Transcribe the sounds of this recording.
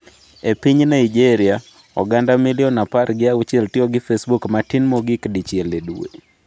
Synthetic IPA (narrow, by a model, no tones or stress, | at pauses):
epiɲnaid͡ʒeɾɪa | ɔ̰ɡandamiljɔnapaɾɡɪaut͡ʃɪɛltɪɔɡɪfesbukmatinmɔɡɪkdit͡ʃjɛleduwḛ